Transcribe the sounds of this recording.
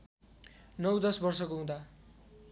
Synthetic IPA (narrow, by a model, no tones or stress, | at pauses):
nʌwd̪ʌsbʌrsʌkoũd̪a